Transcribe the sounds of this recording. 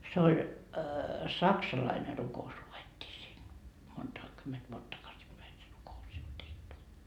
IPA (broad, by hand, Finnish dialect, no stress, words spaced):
se olʲ sɑksɑlɑine rukous luetːiː siːn montɑ kymːent ʋuot tɑkɑsipæi se rukous sit tehty